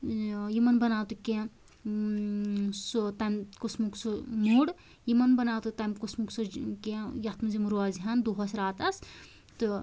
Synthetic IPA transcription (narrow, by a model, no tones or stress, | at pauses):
jimɐnbɐnaːwt̪ukẽ | sut̪amkusmuksumuɽ | jimɐnbɐnaːwt̪ut̪amʲkusmuksukẽjɐt̪ʰmɨzimuɾuaziɦɐnd̪uɦɐsɾaːt̪ɐs | t̪ɨ